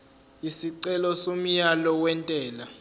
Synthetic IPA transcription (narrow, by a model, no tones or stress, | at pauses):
isiǀɛlɔsom̩jalɔwɛntʼɛːla